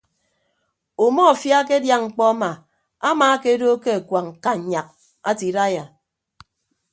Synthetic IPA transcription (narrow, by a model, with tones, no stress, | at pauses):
o˨mɔ˦a˨fja˦ke˦dja˦˨ŋŋ͡m̩˨k͡pɔ˦a˦ma˨ | a˦maː˨˦ke˦do˦ke˦a˨kwa˨ŋ̩˨ka˨ɲa˨k̚ | a̰˦ti˨da˦ja˨